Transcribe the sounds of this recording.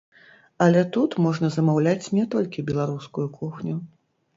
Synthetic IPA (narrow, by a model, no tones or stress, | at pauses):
ɐlʲɛt̪ut̪mɔʐnɐzɐmawlʲat͡sʲnʲɛt̪ɔlʲkʲibʲɛlˠaɾuskujukʰuxnʲu